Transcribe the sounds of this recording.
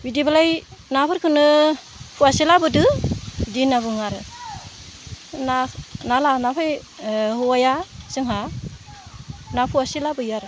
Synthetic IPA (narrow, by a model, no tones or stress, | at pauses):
bidibalaj | napʰɯɾkʰɯnɯ | pʰuasilabɯdɯdinaβɯŋaɾɯ | nanalanapʰaj | huajasɯŋɦa | napʰuasilabɯjaɾɯ